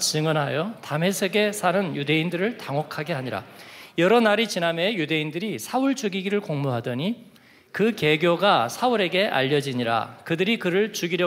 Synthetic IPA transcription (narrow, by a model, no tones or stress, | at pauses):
t͡ɕɯŋʌnɦajotame̞sʰeɡe̞sʰanɯnjude̞indɯɾɯɭtaŋɦʌkʰaɡe̞ɦaɲiɾa̰jʌɾʌnaɾit͡ɕinamejude̞indɯɾisʰaɯɭt͡ɕuɡiɡiɾɯɭkoŋmuɦadʌɲi | kɯke̞ɡjoɡasʰaɯɾe̞ɡe̞ʔa̰ʎːʌd͡ʑiɲiɾa̰kɯdɯɾikɯɾɯɭt͡ɕuɡiɾjʌ